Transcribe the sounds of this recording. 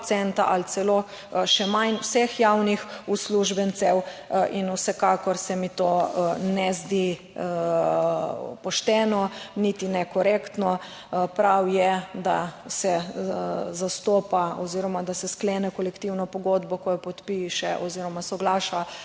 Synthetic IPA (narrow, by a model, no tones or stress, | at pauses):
sɛnt̪aʔalt̪sɛlo | ʃɛmanwsɛxjawnixusluʒbɛnt̪sɛwinuwsɛkakɔɾsɛmit̪oːnɛzd̪i | pɔʃt̪ɛnɔnit̪inɛkɔɾekt̪nɔ | pɾawjɛd̪asɛ | zast̪oːpaɔziɾɔmad̪asɛskleːnɛkɔlɛkt̪iwnɔpɔɡoːd̪bɔkɔjɔpɔt̪piʃɛʔɔziɾɔmasɔɡlaːʃa